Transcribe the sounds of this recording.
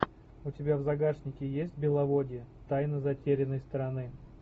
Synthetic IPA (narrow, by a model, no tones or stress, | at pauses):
ʊtʲɪbʲavzɐɡarʂnʲɪkʲɪjesʲtʲbʲɪlˠɐvodʲɪət̪ajnəzɐtʲeɾʲɪnːəjst̪əɾɐnɨ